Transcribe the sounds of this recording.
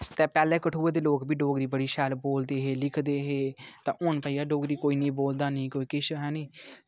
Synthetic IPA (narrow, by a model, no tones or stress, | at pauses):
t̪ɛːpɛːlɛ̃ːkəʈʰuːeːd̪eːloːkbiːɖoːɡd̪iːbəɽiːʃɛːlboːld̪eːɦeːlɪkʰd̪eːɦeːt̪ãːʔoːɳpaiːaːɖoːɡd̪iːkoːiːnĩːboːld̪aːnĩːkoːiːkɪʃɦɛ̃ːnĩː